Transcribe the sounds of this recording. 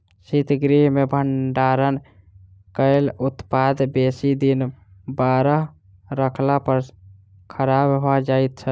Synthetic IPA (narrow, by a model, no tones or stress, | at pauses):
sit̪ɡɾiɦmebʱəɳɖaɾən | kəɪlut̪pad̪besid̪inbaɾəɦ | ɾəkʰlapəɾ | kʰəɾabɦad͡ʒajt̪̚t͡ʃʰə